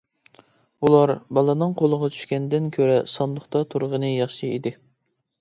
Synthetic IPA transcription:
ulˠɑɾbɑlˠɨnɨŋqʰolˠəʁɑt͡ʃʰy̥ʃkʲɛnd̪ɪnkʲʰøɾɛsɑnd̪ʊχt̪ɑt̪ʰuɾʁənɨjɑχʃiid̪ɪ

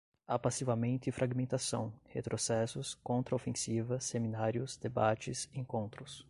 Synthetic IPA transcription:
apasivɐmẽnt̪ʊɪfɾʔaɡmẽnt̪asɐ̃w̃hḛt̪ɾosɛsʊskõnt̪ɾɐofẽsivɐseminaɾjʊsd̪ebat͡ʃɪsẽŋkõnt̪ɾʊs

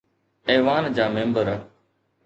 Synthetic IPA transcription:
ɛːʋaːnd͡ʑaːmẽːmbəɾa

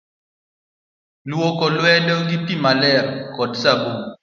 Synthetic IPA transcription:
lwokɔlwɛdɔɡitimalɛrkɔdsabo

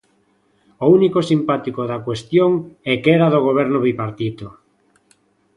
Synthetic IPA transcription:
ounikosimpat̪ikoðakwest̪joŋɛkɛɾaðoɣ̞oβ̞ɛɾnoβipaɾt̪it̪o

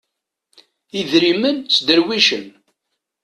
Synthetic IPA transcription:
iðɾimənt͡sːd̪əɾwiʃən

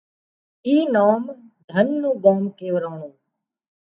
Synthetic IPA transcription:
iːnaːmd̪ʱənːũːbaːmkeːʋəɾaːɳũː

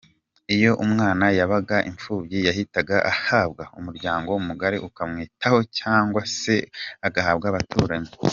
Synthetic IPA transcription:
ijo̞ʔumŋaːnajaβaɡaʔiɱfuːβjijahitaɡaʔahaːbɡaumuɾɟaːŋɡo̞umuɡaɾiʔukamŋiːtʰaho̞caːŋɡwase̞aɡahaːbɡaːβatuːɾaɲi

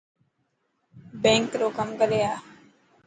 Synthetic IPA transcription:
bẽːŋkɾoːkəmɡəlejaː

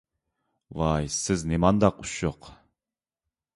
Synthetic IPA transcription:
vɑjsɪznemɑnd̪ɑquʃjoq

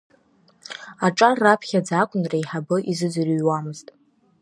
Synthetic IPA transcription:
aʈ͡ʂʼarːapʰχʲad͡zakʷʼʊnraiħabɨʔizɨd͡zɨrɥwamɨztʼ

